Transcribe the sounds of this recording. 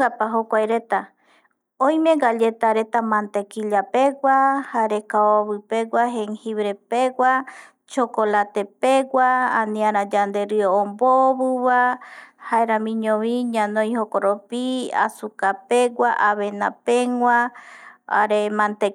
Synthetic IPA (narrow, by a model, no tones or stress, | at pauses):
ɡapaɦokʷajɾet̪a | õj̃mẽɡaʎet̪aɾe̞t̪amãnt̪ekiʎapeɡʷahaɾekaoβɨpeɡʷaɦeŋhiβɾepeɡʷa | t͡ʃokolat̪epeɡwaanĩãɾ̃ãd͡ʒand̪eɾɨoomboβɨβahaeɾãmĩɲõβiɲãnõjhokoɾopia̰sukapeɡʷaʔaβenãpeŋwʷa | a̰ɾemãnt̪e